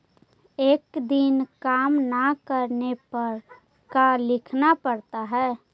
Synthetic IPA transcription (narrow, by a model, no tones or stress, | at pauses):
eːkd̪inkaːmnakəɾnepəɾ | kalɪkʰnapəɾt̪aɦɛː